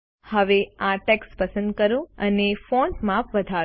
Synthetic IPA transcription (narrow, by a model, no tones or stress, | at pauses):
həʋeãʈɛkspəsə̃nd̪kəɾũənefoɳʈmãfʋəd̪ʱa